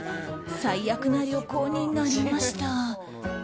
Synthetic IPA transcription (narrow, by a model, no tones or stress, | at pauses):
saijakɯ̟naɾʲo̞koːɲ̟inaɾʲimaɕi̥t̪a